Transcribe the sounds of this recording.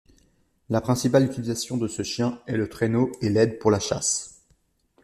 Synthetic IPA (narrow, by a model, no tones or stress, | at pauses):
lapχɛ̃sipalyt̪ilizasjɔ̃d̪əsəʃjɛ̃ɛlət̪χenoelɛd̪puʁlaʃa̰s